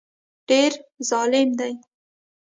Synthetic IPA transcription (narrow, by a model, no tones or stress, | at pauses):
ɖ̥eɾzɑlɪmd̪aj